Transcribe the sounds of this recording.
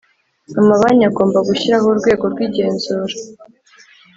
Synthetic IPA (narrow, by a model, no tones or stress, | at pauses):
amaβaɲaɡo̞ːmbaɡuçiɾaɦoɾɡwe̞ːɡo̞ɾɡwiːɟe̞ːnzuːɾa